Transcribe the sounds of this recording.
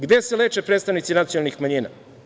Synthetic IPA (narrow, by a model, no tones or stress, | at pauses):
ɡd̪e̞sele̞ːt͡ʂepɾet̪st̪aʋnit̪sinat̪sijonalˠnixmaɲiːna̰